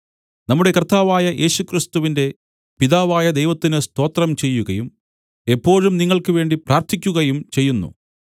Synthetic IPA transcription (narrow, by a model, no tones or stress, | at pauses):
nɐmːuɽe̞kɐrt̪aːʋaːjɐjʔe̞ːɕukrist̪uʋinde̞ | piðaːʋaːjɐd̪e̞jʋɐt̪ːinɨst̪o̞ːt̪rɐmt͡ɕe̞jːuɣɐjum | e̞pːo̞ːɻumniŋːɐɭkɨʋe̞ːɳɖiprʔaːɾt̪ʰikʲːuɣɐjumt͡ɕe̞jːunːṵ